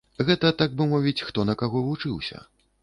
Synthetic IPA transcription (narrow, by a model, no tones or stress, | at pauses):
ɣɛt̪ɐt̪aɡ̚bɨmɔvʲit͡sʲxt̪ɔnɐkaɣɔvut͡ʂɨwsʲɐ̰